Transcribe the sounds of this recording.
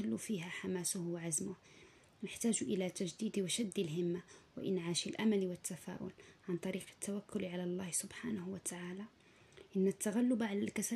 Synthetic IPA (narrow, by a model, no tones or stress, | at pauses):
alːufiɦæħamaːsʊhwaʕazmʊh | nəħt̪aːʒʔəlæt̪aʒd̪iːd̪iwaʃad̪ːilɦɪmːawa̰ʔɪ̰nʕaːʃilʔamælwət̪ːafa̰ːʔʊ̰lʕant̪ˤɑɾiːqə̥t̪ːawakːʊlʕalalˤːɑhsʊbħaːnahwat̪aʕaːla | ʔənːat̪ːaɣalːʊbaʕalælkæsæ